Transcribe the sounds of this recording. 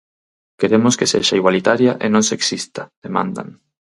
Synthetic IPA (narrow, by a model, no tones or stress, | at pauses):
keɾemoskesḛʃaiɣwalit̪aɾjaʔenõnseksist̪að̥emã̰nd̪a̰ŋ